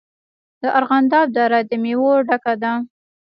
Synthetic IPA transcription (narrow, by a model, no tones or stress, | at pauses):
d̪əʔaɾɣand̪ɑb̚d̪ɑɾad̪əmewoɖakad̪a